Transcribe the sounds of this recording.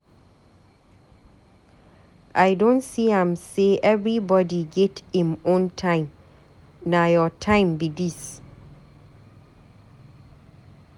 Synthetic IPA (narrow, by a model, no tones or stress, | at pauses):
ʔajdõntsiãmseʔɛvɹibɔdiɡɛthĩmõntʰãɪ̃m | najɔtʰãɪ̃mbidis